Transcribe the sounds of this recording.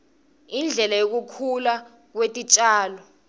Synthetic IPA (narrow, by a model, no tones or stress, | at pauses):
ind͡ɮʱɛlajok̬ukʰula | k̬wetʼit͡ʃʼaːlɔ